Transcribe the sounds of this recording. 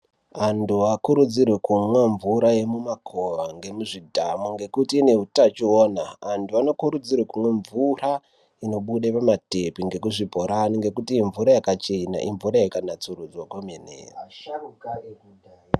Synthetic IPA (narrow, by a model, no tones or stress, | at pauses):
antuakuɾud͡zirwekumweɱvuɾaje̞mumakʰo̞ʋaŋɡe̞muʐidʱamuŋɡe̞kutiːne̞ɦutat͡ʃioːnaːntʰuano̞kuɾud͡zirwekumwe̞ɱvura | ino̞ɓuɗepamate̞piŋɡe̞kuʐibʱoɾaniŋɡe̞kutiːɱvuɾajakat͡ʃena̰ʔiɱvuɾajakanat͡surud͡zwakomenḛːr